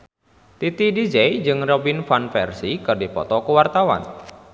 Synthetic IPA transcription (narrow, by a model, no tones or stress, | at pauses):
t̪it̪idid͡ʒɛjd͡ʒɨŋrɔbinfanfɛrsikɨrdipɔ̰t̪ɔkuwart̪awa̰n